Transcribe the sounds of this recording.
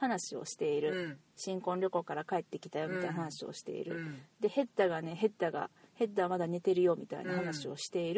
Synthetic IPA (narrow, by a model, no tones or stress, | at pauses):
hanaɕio̞̰ɕi̥t̪e̞iɾɯ̟ | ɕĩŋkõ̞nɾʲo̞ko̞kaɾakae̞t̪ːe̞kʲi̥t̪ajo̞mʲit̪ainaɦanaɕio̞̰ɕi̥t̪e̞̰ḭɾɯ̟d̪e̞he̞t̪ːaɡane̞ɦe̞t̪ːaɡa̰he̞t̪ːaβmad̪ane̞t̪e̞ɾɯ̟jo̞ːmʲit̪a̰ḭnahanaɕio̞ɕi̥t̪e̞iɾɯ